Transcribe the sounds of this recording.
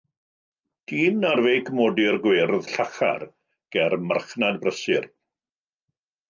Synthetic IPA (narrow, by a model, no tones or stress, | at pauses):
d̥iːnarvejkʰmɔdɪrɡwerðɬaχa̰r | ɡ̥ɛrma̰rχnadbrəsɪr